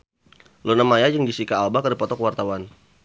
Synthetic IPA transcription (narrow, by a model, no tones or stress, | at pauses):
lonamajajəŋdisikaːlbakədipɔt̪ɔkəwart̪awan